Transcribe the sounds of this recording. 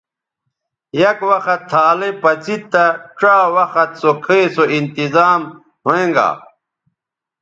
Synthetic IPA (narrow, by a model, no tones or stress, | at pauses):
jɐkwɐxɐt̪ʰːaːlepɐt͡sit̪ːɐʈ͡ʂaːwɐxɐt̪sokʰesoint̪izaːm | hoẽŋɡa̰ː